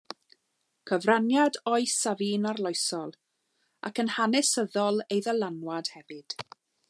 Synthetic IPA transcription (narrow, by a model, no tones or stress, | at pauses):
kʰəvranjadɔɨsaviːnarlˠɔɨsɔlˠ | ʔa̰kənhanɪsəðɔlˠejðəlˠanwad̥hɛvɨd̥